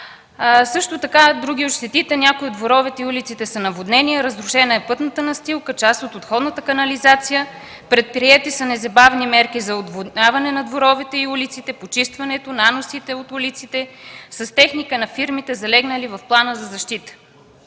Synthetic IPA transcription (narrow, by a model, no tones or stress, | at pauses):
sɤʃt̪ot̪ɐkad̪ɾuɡʲiot̪ʃt̪ɛt̪it̪ɛnʲakʊiod̪voɾɔvɛt̪ɛiulit̪sit̪ɛsənɐvod̪nɛniɛɾəzɾʊʃɛnəɛpɤt̪nət̪ənɐst̪ilˠkət͡ʃast̪ot̪ot̪xɔd̪nət̪əkɐnɐlizat̪sijə | pɾɛt̪̚pɾiɛt̪isənɛzɐbavnimɛɾkizɐod̪vod̪nʲavɐnɛnɐd̪voɾɔvɛt̪ɛiulit̪sit̪ɛpot͡ʃist̪vɐnɛt̪onanosit̪ɛot̪ulit̪sit̪ɛsəst̪ɛxnikənɐfiɾmit̪ɛzɐlɛɡnəlivɐfplˠanəzɐzɐʃt̪it̪ə̥